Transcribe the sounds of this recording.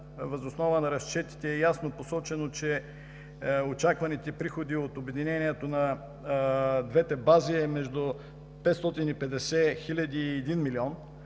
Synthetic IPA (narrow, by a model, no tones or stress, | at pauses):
vɐzosnɔvənɐɾɐst͡ʃɛt̪i̥t̪ɛːjasnoposɔt͡ʃɛnot͡ʃɛ | ot͡ʃakvɐnit̪ɛpɾixod̪iot̪obɛd̪inɛniɛt̪onɐ | d̪vɛt̪ɛbaziɛmɛʒd̪ʊ | pɛt̪st̪ɔt̪inipɛd̪ɛsɛxilʲɐd̪iːɛd̪inmiliɔn